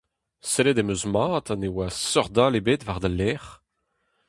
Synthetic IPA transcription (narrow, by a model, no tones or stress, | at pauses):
seled̪emøzmaːt̪anewasœʁd̪aːlebeːt̪vaʁd̪alɛːʁ